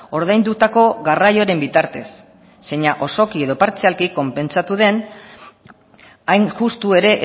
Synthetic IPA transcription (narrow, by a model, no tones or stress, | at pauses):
o̞ɾð̞ajnd̪ut̪ako̞ɣarajo̞ɾe̞mbit̪aɾt̪e̞sː | eɲaʔo̞so̞kie̞ðo̞paɾt͡sealkiko̞mpe̞nt͡sat̪uð̞e̞n | ajnʝust̪ue̞ɾe̞ʔ